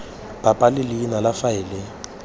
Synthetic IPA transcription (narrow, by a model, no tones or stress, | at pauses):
b̥ʼapʼalɪlɪːnalafaɪːlɪ